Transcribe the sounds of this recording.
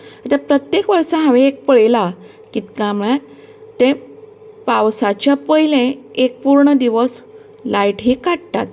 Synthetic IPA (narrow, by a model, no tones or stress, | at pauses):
ət̪apɾət̪jekʋəɾsaɦãʋẽek̚pəɭela | kit̪kamɭã | t̪ẽ | pawsat͡ɕjapəɦilẽek̚puɾɳəd̪iʋəs | laiʈɦiːkaʈt̪a̰t̪̚